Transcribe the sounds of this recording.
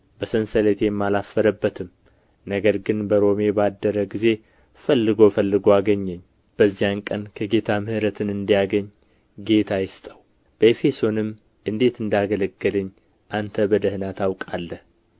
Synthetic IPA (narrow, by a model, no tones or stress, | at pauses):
bəsənsəlet̪ʰejɛmːalafːəɾəbːət̪ʰɨm | nəɡəɾɡɨnbəɾo̞me̞bad̪ːəɾəɡize̞ | fəlːɨɡo̞fəlːɨɡoaɡəɲːɛɲː | b̥əzːijankʼənkʰəɡe̞t̪ʰamɨhɨɾət̪ʰɨnɨnd̪ijaɡəɲː | ɡe̞t̪ʰajɪst̪ʼəw | b̥əefe̞so̞nɨm | ʔɨnd̪e̞t̪ɨnd̪aɡələɡːɨlɨɲː | ʔant̪ʰəbəd̪əhnat̪ʰawkʼalːəh